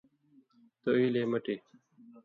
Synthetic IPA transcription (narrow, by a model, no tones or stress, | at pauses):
t̪oileːmɐʈeː